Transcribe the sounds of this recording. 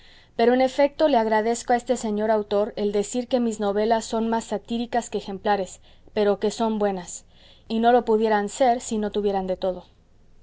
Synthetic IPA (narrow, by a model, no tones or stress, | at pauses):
pe̞ɾo̞ene̞fe̞k̚t̪o̞leaɣɾaðe̞skoae̞st̪e̞se̞ɲo̞ɾawt̪o̞ɾe̞ld̪e̞siɾke̞mizno̞βe̞lasːo̞nmasːat̪iɾikaskeːxe̞mplaɾe̞s | pe̞ɾo̞ke̞so̞mbwe̞nas | ino̞lo̞puðje̞ɾanse̞ɾsino̞t̪uβje̞ɾand̪e̞t̪o̞ðo̞